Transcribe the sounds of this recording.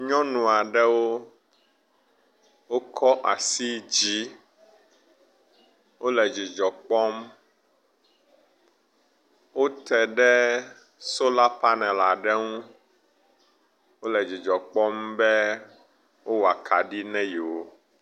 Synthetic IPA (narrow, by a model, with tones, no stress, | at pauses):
ɲɔ̃˦nũ˨a˨ɖɛ˦wo˦ | wo˦kʰɔ˦ʔa˨si˦d͡ʑi˦ | wo˦lɛ˨d͡ʑi˨d͡ʒɔ˨k͡pɔ˦m | wo˦t̪ɛ˨ɖɛ˦ | so˦la˦pa˦nɛ̃˨la˨ɖɛ˦ŋũ˦ | wo˦lɛ˨d͡ʑi˨d͡ʒɔ˨k͡pɔ˦mbɛ˦ | wo˦wa˨kʰa˨ɖi˦nɛ̃˦ji˨wo˦